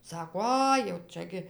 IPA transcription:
ˈsɑːkoː ˈɐɪ jɛʊ ˈt͡ʃʲɛ ɡʲɪ

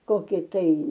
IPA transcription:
ˈkoːkʲɪ tɐɪ

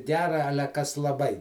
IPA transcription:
ˈɡʲæːrɐ ˈɑːlʲɛ ˈkɐs lˠɐˈbɐɪ

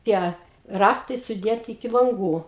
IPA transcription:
ˈtʲiɛ ˈrɑːstɐɪ sʊˈdʲeːtʲɪ ɪkʲɪ lˠɐŋˈɡuː

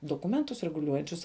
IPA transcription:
doːˈkʊmʲɛntʊs rʲɛɡʊˈlʲuɔjɛnʲt͡ʃʲʊs

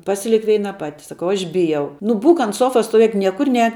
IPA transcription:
ˈpɑːsʲɪlʲɪk ˈʋʲɛɪnɐ ˈpɑːtʲɪ sɐˈkɐʊ ˈɐʃ ˈbʲɪjɛʊ nʊ ˈbuːk ɐnt ˈsoːfɐs stoːˈʋʲeːk ˈnʲiɛkʊr ˈnʲɛːk

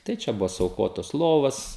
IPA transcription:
tɐɪ ˈt͡ʃʲɛ ˈbʊʋoː sʊɐʊˈkoːtoːs ˈlˠoːʋɐs

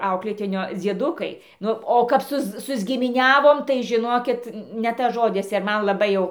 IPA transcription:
ˈɐʊklʲeːtʲɪnʲoː d͡zʲiɛˈdʊkɐɪ ˈnʊ oː kɐp ˈsʊs sʊzʲɡʲɪmʲɪˈnʲæːʋoːm tɐɪ ʒʲɪˈnoːkʲɪt nʲɛ ˈtɐs ˈʒoːdʲɪs ɪr ˈmɐn lˠɐˈbɐɪ jɛʊ

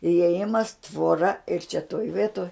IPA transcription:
ɪeːˈjɪmɐs tʋoːˈrɐ ɪr t͡ʃʲɛ toːj ˈʋʲeːtoːj

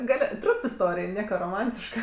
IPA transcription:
ˈɡɐlʲ ˈtrʊmp ɪsˈtoːrʲɪj ˈnʲiɛkɐ roːˈmɐnʲtʲɪʃkɐ

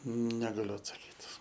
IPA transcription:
nʲɛɡɐˈlʲʊ ɐtsɐˈkʲiːt

